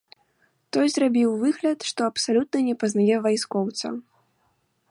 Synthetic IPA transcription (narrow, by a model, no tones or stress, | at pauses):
t̪ɔjzrabʲiwvɨɣlʲɐt̪ʂt̪ɔɐpsalʲut̪̚nɐnʲɛpɐznajɛvajskɔwt̪sɐ̰